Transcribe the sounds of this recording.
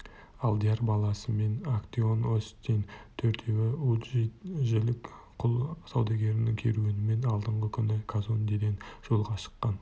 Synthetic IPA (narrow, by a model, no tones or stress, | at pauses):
ɑlˠd̪ijaɾbɑlˠɑsəme̞nakt̪ionost̪ːent̪ʰɵɾt̪ʰe̞wɪuʒʒelɪkqʰʊlˠsɑwd̪ɑɡʲe̞ɾɪnɪŋkʲʰe̞̰ɾuɪnɪme̞nɑlˠd̪əɴʁəkʲʰʏnɪkʰazond̪eɡ̪ʲe̞nʒ̥o̞lˠʁɑʃə̥qːɑn